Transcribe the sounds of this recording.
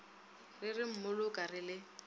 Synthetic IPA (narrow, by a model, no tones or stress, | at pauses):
rɪrɪm̩mʊlʊkʼarɪlɪ